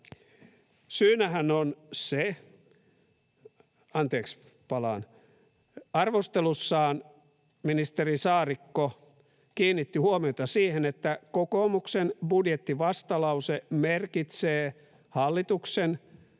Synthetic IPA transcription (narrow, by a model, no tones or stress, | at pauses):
syːnæhænonse | ɑnt̪eːks | pɑlɑ̰ːn | ɑrʋost̪elusːɑːn | minist̪erisɑːrikːo | kiːnːit̪ːihuomiot̪ɑsiːhenet̪ːækokomuksenbudjet̪ːiʋɑst̪ɑlɑusemerkit̪seː | hɑlːit̪uksen